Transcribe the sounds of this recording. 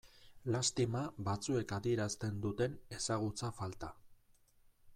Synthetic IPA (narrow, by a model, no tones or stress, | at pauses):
last̪imaβat͡sue̞kaðie̞ɾast̪e̞nd̪ut̪e̞ne̞saɣ̞ut͡safalt̪a